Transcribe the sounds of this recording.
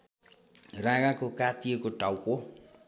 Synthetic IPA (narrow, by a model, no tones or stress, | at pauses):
rãɡãkokat̪ijekoʈawko